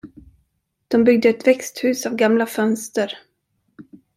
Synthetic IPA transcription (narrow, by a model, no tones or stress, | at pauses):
d̪̥ɔmbʏɡd̪əɛt̪vɛkst̪hʉ̟ːsavɡamlafœnst̪əɾ